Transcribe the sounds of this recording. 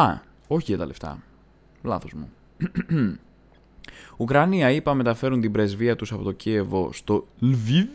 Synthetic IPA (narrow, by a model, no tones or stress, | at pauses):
ɐ | o̞çiʝɐt̪ɐle̞ft̪ɐ̰ | lɐ̰θo̞zmu | ukɾɐniɐipɐme̞t̪ɐfe̞ɾunt̪ibɾe̞zviɐt̪usɐpo̞t̪o̞cie̞vo̞st̪o̞lvi